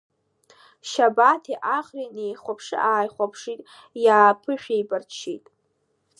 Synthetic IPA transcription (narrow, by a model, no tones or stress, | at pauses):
ʃabatʰiʔaχrinejχʷapʰʂɨ̰ʔaːjχʷapʰʂitʼ | jaːpʰɨʃᶣejbʼart͡ʃʰitʼ